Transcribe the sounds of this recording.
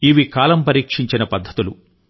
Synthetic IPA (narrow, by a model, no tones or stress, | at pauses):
iʋikaːlɐmpɐɾiːkʂiɲt͡ʃinɐpɐd̪ʱːɐt̪ulu